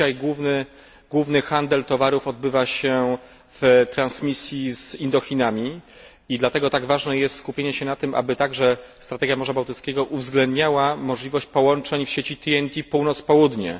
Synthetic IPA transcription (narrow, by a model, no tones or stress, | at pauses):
ajɡwuvnɘ | ɡwuvnɘxand̪ɛlt̪ɔvaɾufɔd̪̚bɘvaɕɛ | vt̪ɾansmʲisʲjizind̪ɔxʲinamʲi | id̪lat̪ɛɡɔt̪aɡvaʐnɛjɛst̪skupʲjeɲɛɕɛnat̪ɘmʔa̰bɘt̪aɡʐɛst̪ɾat̪ɛɡʲjamɔʐabawt̪ɘt̪skʲeɡɔʔuvzɡlɛnd̪ɲawamɔʐlʲivɔɕt͡ɕpɔwɔnt͡ʂɛɲfɕet͡ɕit̪iɛnt̪ʲipuwnɔt̪spɔwud̪ɲɛ̰